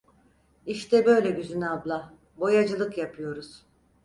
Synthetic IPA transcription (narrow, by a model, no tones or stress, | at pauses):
iʃt̪ʰɛbø̞jlʲɛɟyzynab̪lˠa | bo̞jad͡ʒɯlˠɯkjapʰɯjo̞ɾuz̥